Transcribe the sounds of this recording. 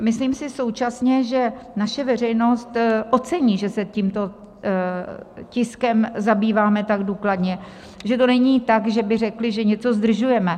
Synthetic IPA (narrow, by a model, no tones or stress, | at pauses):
mɪsliːmsɪso̞wt͡ʃasɲɛʒɛnaʃɛvɛr̝ɛjno̞st̪ʔo̞t͡sɛɲiːʒɛsɛciːmt̪o̞ | cɪskɛmzabiːvaːmɛt̪aɡduːkladɲɛ | ʒɛt̪o̞nɛɲiːt̪akʒɛbɪr̝ɛklɪʒɛɲɛt͡so̞zd̪r̩ʒujɛmɛ